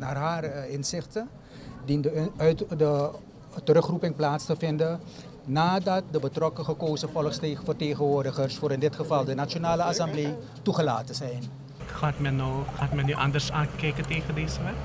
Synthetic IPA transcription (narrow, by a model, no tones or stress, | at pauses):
naːrɦaːrɪnzɪχtə | di | də | təɾɵχrupɪŋplaːtstəfɪndə | naːdɑt̚dəbətrɔkəχəkoːzəfɔlˠχstːfərteːχənʋʊːrdəχərsfʊːɾɪndɪtχəvɑlˠdənat͡ʃonaːləasɑmblej | tuχəla̰ːtənzɛjn | χaːtmɛnːowχaːtmɛnyʔɑ̰ndərsaːnkɛjkəteːχəndeːzəʋɛ